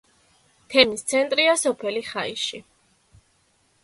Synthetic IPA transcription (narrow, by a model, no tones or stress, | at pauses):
t̪ʰɛmist̪sʰɛnt̪ʼɾiasɔpʰɛliχaiʃi